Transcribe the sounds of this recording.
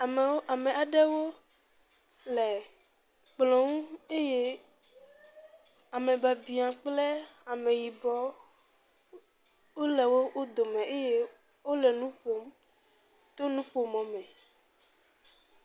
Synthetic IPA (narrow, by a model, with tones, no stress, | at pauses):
a˨mẽ˨a˨ɖe˦wo˦ | le˨ | k͡plɔ̃˨ŋũ˦e˦je˦ | a˨mẽ˨ba˨bi˨ã˨k͡ple˦a˨mẽ˨ji˨bɔ˦ | wo˦le˨wo˦wʔo˦d̪o˨mẽ˨e˦je˦ | wo˦lɛ˨nũ˦ɸo˦m | t̪o˦nũ˦ɸo˦mɔ̃˨mɛ̃˨